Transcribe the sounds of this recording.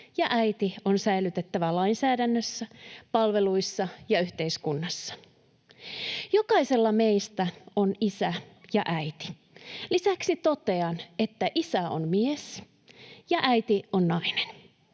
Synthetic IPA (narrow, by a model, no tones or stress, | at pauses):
jɑʔæit̪io̞nsæilyt̪e̞t̪ːæʋælɑinsæːdænːøsːæpɑlʋe̞luisːɑjɑyht̪e̞iskunːɑsːɑ̥ | jokɑise̞lːɑme̞ist̪æo̞nisæjɑ̰ʔæjt̪i̥ | lisæksit̪o̞t̪e̞ɑnet̪ːæʔisæo̰nmies | jɑʔæjt̪ionːɑinen